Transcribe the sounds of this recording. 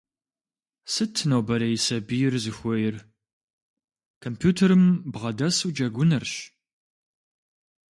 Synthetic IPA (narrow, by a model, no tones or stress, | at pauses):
sɨtʰːɨnowbɐɾɐjɪsɐbijɪrzɨxʷɔjɪr | kʰompʰjuːtʰɐɾɨmbʁɐdɐsud͡ʒɐɡʷʊnɐrɕ